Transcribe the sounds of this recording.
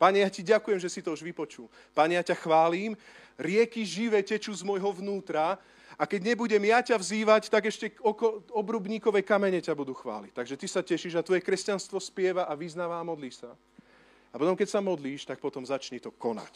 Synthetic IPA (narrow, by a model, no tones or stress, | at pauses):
paɲɛjaciɟakujɛmʒɛsit̪ɔuʒʋipɔt͡ʃul | paɲɛjacaxʋaːliːm | ɾɪɛkiʒiʋɛcɛt͡ʃuzmʊɔjɦɔʋnuːt̪ɾa | akɛɟɲɛbuɟɛmjacavziːʋact̪aɡɛʃcɛɔkɔɔbɾubɲiːkɔʋɛjkamɛɲɛcabud̪uxʋa̰ːlic̚t̪aɡʒɛt̪isacɛʃiʒat̪ʋɔjɛkɾɛscanst̪ʋɔspɪɛʋaʔaʋiznaːʋaːmɔd̪liːsa | apɔt̪ɔmkɛcsamɔd̪liːʃt̪ak̚pɔt̪ɔmzat͡ʃɲɛt̪ɔkɔna̰c